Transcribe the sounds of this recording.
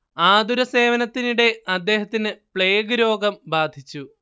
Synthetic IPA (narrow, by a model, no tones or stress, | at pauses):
aːd̪uɾɐse̞ːʋɐnɐt̪ːiniɽe̞ɐd̪ːe̞ːɦɐt̪ːinɨpɭe̞ːɡuɾo̞ːɡɐmbaːd̪ʱit͡ɕːu